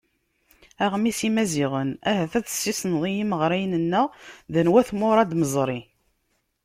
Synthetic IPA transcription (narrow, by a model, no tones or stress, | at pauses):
æʁmisimæziʁənæɦæθæðə̥sːisnðˤijiməʁɾæjnənːəðænwæθmʊɾˤɑd̪məzˤɾˤi